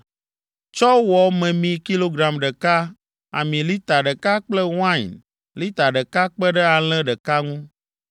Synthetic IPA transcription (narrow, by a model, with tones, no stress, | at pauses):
t͡ʃɔ˦wɔ˨mɛ̃˨mĩ˨ki˦lo˦ɡɾa˨mɖɛ˨ka˦ | a̰˨mĩ˨li˦t̪a˨ɖɛ˨ka˦k͡plɛ˦wã̰˦˨n | li˦t̪a˨ɖɛ˨ka˦k͡pɛ˦ɖɛ˦a˨l̃ɛ̃˦ɖɛ˨ka˦ŋũ˦